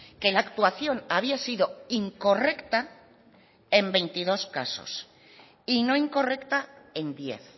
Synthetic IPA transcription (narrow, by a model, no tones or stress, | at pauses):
ke̞laːkt̪waθjo̞ŋaβ̞iasiðoiŋko̞re̞kt̪a | e̞mbe̞jnt̪ið̞o̞ska̰so̞̰s | ino̞iŋko̞re̞kt̪ae̞nd̪je̞̰θ